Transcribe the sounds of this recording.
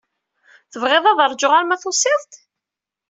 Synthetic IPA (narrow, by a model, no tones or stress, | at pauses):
θəvʁɪðˤɑðˤəɾˤd͡ʒʊʁaɾmæθʊsˤɪðˤt̪